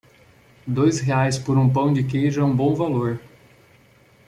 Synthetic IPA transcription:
d̪ojsɦeajspʊɾũpɐ̃w̃d͡ʒɪkejʒɐ̃bõw̃valoɾ

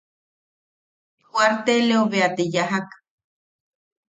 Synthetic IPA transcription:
hwaɾt̪eleoβeat̪ejaɦak

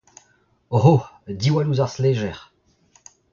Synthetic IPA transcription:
oɦod̪iwaluzaʁslɛʒɛʁ

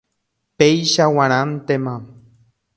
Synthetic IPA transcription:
pejʃawaɾ̃ant̪ema

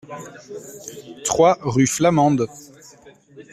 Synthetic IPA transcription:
t̪χwaʁyflamɑ̃d̪

